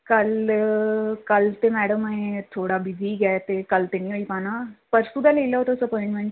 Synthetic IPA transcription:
kəl | kəlt̪emɛɽəməẽt̪ʰoːɽabid͡zʱiɡɛt̪ekəlt̪enĩːʋoipanapəɾsud̪ʱalelaɦot̪osəpɔ̃jɪ̃ɳʈmẽɳʈ

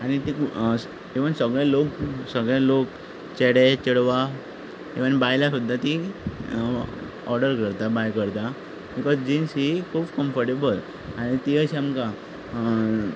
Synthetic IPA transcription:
aɽ̃it̪ik | eʋənsəɡɭjaloksəɡɭalok | t͡ɕeɽet͡ɕəɽʋa | eʋənbajlasud̪ʱːat̪i | ɔɾɖəɾkəɾt̪abajkəɾt̪a | bikɔzd͡ʑinsikʰuːbkəmfəɾʈebəl | aɽ̃it̪iəɕiamka

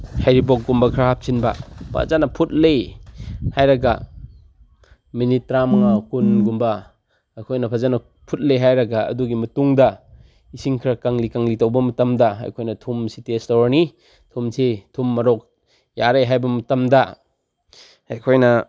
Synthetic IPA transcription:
hajɾibɔk̚ɡumbɐkʰɾaɦap̚sinbɐpʰa̰zanɐpʰut̚lej | hajɾɐɡa | minit̚ːɾamɐŋakunɡumbɐ | ajkʰojnɐpʰazanɐ | pʰut̚lejɦajɾɐɡaɐ̰duɡimɐtuŋdɐ | isiŋkʰɾɐkaŋlikaŋlitɐwbɐmɐtɐmdɐɦa̰jkʰojnɐtʰumsitestawɾni | tʰumsetʰumːɐɾɔk̚ | jaɾejɦajbɐmɐtɐmdɐ | hajkʰojnɐ

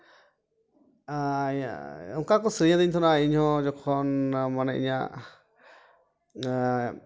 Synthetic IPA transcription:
ɔŋkakɔsɾiɲãd̪iɲt̪ʰɔnaiɲhɔ̃d͡ʒɔkʰɔnmanɛḭɲa

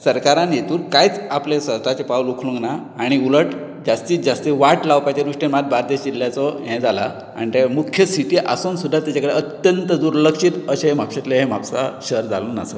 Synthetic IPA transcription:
səɾkaɾãnjet̪uːlkajt͡saplesət̪at͡ɕepawlukʰlũŋɡnaːɽ̃iuləʈ | d͡ʑast̪iːt̪d͡ʑast̪iʋaʈlawpajt͡ɕed̪uʂʈemat̪̚baɾd̪ed͡ʑiljat͡sɔɦɛ̃d͡zʱala̰ | a̰nit̪emukʰjəsiʈiʔa̰suːnsud̪ʱːat̪jat͡ɕakəɽeət̪jənt̪əd̪uːɾləkʂiːt̪əɕemapɕat̪leɦemapsaɕəɾd͡zʱa̰luːna̰sə̰

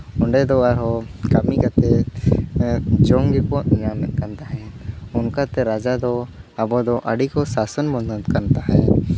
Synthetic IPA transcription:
ɔɳɖɛd̪ɔaɾɦɔkamikat̪ɛ | d͡ʒɔŋɡɛkɔt̪namkant̪aɦɛʊnkat̪ɛɾad͡ʒad̪ɔabɔd̪ɔʔəɽikɔsasənmɔnɔt̪kant̪aɦɛ

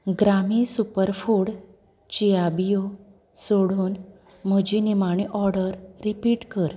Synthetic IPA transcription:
ɡɾamisupəɾfuɽ | t͡ɕijabijo | soɽuːn | m̤əd͡ʑinimaɳ̃iʔɔɾɽəɾːipiːʈkəɾ

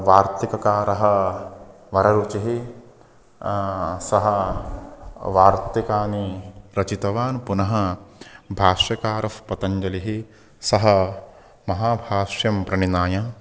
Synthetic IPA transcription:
ʋaːɾt̪ikɐkaːɾɐɦɐ̆ | ʋɐɾɐɾut͡ʃiɦi | sɐɦɐ | ʋaːɾt̪ikaːniɾɐt͡ʃit̪ɐʋaːnpunɐɦɐ̆ | bʱaːʂjɐkaːɾɐfpɐt̪ɐɲd͡ʒɐliɦi | sɐɦɐ | mɐɦaːbʱaːʂjɐmpɾɐɳinaːjɐ

